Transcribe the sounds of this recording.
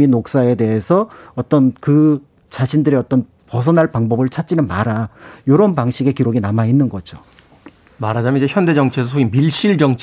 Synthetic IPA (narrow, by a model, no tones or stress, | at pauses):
minok̚s͈ae̞de̞ɦesʰʌʌt͈ʌnkɯ | t͡ɕaɕʰindɯɾiʌt͈ʌn | pʌs̬ʰʌnaɭpaŋbʌbɯɭt͡ɕʰat̚t͡ɕ͈inɯnmaɾajoɾʌnpaŋɕʰiɡe̞kiɾoɡinamainːɯnɡʌd͡ʑo | maɾad͡ʑamjʌnid͡ʑeçjʌnde̞d͡ʑʌŋt͡ɕʰesʰʌsʰoimiɭɕ͈iɭd͡ʑʌŋt͡ɕʰ